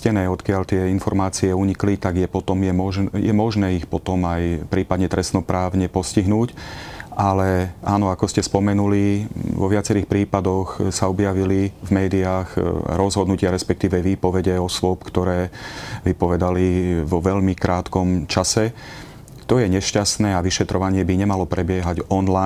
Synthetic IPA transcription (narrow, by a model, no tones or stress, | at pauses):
cɛnɛːɔt̪kɪaʎt̪ɪɛinfɔɾmaːt͡siɛuɲiklit̪aɡjɛpɔt̪ɔmjɛmɔʒjɛ̰mɔʒnɛːixpɔt̪ɔmajpɾiːpad̪ɲɛt̪ɾʔɛstnɔpɾaːʊɲɛpɔsciɦnuːcʔalɛʔaːnɔakɔscɛspɔmɛnuliʋɔʋɪat͡sɛɾiːxpɾiːpad̪ɔxsaɔbjaʋilivmɛːd̪iaːɣɾɔzɦɔd̪nucɪaɾɛspɛk̚t̪iːʋɛʋiːpɔʋɛɟɛɔsʊɔpkt̪ɔɾɛːʋipɔʋɛd̪aliʋɔʋɛʎmikɾʔaːt̪kɔmt͡ʃasɛ | t̪ɔjɛɲɛʃcasnɛːaʋiʃɛt̪ɾɔʋaɲɪɛbiɲɛmalɔpɾɛbɪɛɦaɟɔnla